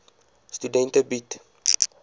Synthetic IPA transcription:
studɛ̃ntəbit

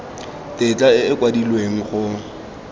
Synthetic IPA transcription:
tʼɪt͡ɬʼaɪɪkwadilweŋ̩χʊ

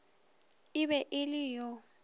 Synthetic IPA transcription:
ɪbɛʔɪlɪjɔ

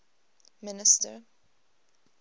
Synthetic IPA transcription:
mɪnɪstə̰

